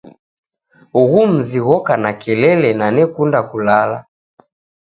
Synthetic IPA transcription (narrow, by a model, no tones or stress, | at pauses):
uɣum̩ziɣɔkanakɛlɛlɛnanɛkundakulala